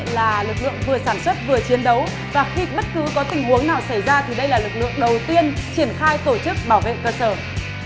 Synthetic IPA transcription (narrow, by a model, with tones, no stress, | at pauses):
laː˨˩lɨ˨˩k̚lɨ̰˧˨əŋvɨ˨˩əsaː˧˩nswə˦˥t̚vɨ˨˩ət͡ɕi˨˦ənɗə˨˦w | vaː˨˩xi˧ɓə˦˥t̚kɨ˨˦kɔ˨˦t̪ï˧˩ŋ̟hu˨˦əŋnaː˨˩wsa˧˩jzaː˧t̪ʰi˨˩ɗə˧jlaː˨˩lɨ˨˩k̚lɨ̰˧˨əŋɗə˨˩wt̪i˧ənt͡ɕi˧˩ənxaː˧jt̪o˧˩t͡ɕɨ˦˥k̚ɓaː˧˩wvḛ˧˨kəː˧səː˧˩